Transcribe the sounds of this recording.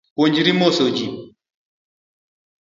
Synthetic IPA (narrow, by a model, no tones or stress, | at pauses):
poɲd͡ʒiɾimosod͡ʒi